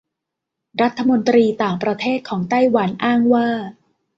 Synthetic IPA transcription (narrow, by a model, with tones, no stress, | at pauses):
ɾa˦˥t̪ʰːa˧mo˧nt̪ɾiː˧t̪aː˨˩ŋpɾa˧t̪ʰeː˥˩t̪̚kʰɔː˩˦ŋt̪a˥˩jwa˩˦nʔaː˥˩ŋwaː˥˩